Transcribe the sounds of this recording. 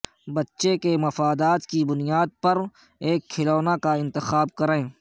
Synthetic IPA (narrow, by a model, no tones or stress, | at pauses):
bɐtːʃekemɐfaːd̪aːt̪kibʊnijaːd̪̚pɐɾ | eːkʰːɪloːnakaɪ̃nt̪ɪxaːb̚kɐɾẽː